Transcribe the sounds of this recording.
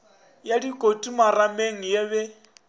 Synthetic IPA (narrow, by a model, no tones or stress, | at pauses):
jadikʼotʼumarameŋ̩jeβɛ